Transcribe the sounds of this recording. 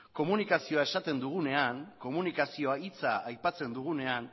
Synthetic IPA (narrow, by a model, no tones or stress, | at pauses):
ko̞munikasio̞ae̞sat̪e̞nd̪uɣ̞une̞aŋko̞munikasio̞ait͡saːjpat͡se̞nd̪uɣ̞une̞an